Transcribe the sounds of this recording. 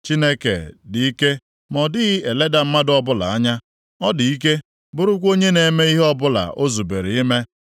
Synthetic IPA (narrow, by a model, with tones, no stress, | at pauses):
t͡ʃi˦ne˦kḛ˨di˨i˦ke˦ | mɔ˨dɪ˦ɣe˨le˦da˨m̩˦ma˦dɔ˦bʊ˦la̰˨a˦ɲa˦ | ɔ˦dɪ˨i˦k̬e˦ | bʊ˨ɾʊ˦kʷo˦ɲe˦ne˨me˦i˦ɦe˦ɔ˦bʊ˦la̰˨ʔo˦zu˨be˨ɾe˨i˦me˦